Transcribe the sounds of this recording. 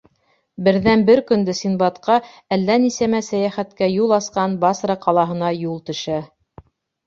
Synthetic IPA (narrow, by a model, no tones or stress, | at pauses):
bɘ̆ɾðænbɘɾkɵ̆nd̪ɘsinbɑt̪qɑ | ælːænisæmæsæjæχæt̪kæjulˠɑsqɑnbɑsɾɑqɑlˠɑɦɤ̆nɑjulˠt̪ɵ̆ʃæ